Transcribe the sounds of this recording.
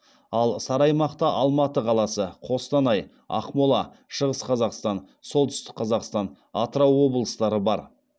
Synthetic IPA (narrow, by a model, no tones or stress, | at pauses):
ɑlˠsɑɾɑjmɑqt̪ɑʔɑlˠmɑt̪əqʰɑlˠɑsəqʰo̞st̪ɑnɑj | ɑ̰qmolˠɑ | ʃəʁəsqʰɑzɑqst̪ɑn | so̞lˠt̪ʏst̪ɪ̥k̚qʰɑzɑqst̪ɑn | ɑt̪ɾɑwwo̞bəlˠəst̪ɑɾəbɑɾ